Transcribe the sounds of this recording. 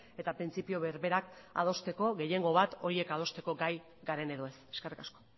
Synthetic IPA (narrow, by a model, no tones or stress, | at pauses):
e̞t̪apɾint͡sipio̞βeɾβe̞ɾaka̰ðo̞st̪e̞ko̞ɣe̞je̞ŋɡo̞β̞at̪o̞ɾie̞kað̞o̞st̪e̞ko̞ɡaj | ɡaɾe̞ne̞ðoe̞se̞ske̞rikasko̥